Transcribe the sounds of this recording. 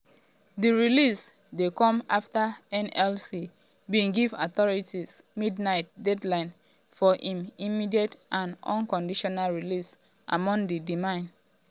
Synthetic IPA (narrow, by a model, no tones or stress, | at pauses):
diɹilis | dekɔ̃ma̰ftəɛ̃nɛlsi | bĩŋɡivɔtɔɹitismidnaɪt̚dɛdlãɪ̃n | fɔʔĩmimidietʔãnɔ̰̃nkɔ̃ndiʃɔnalɹilis | ʔa̰mɔ̃ŋdidimãɪ̃n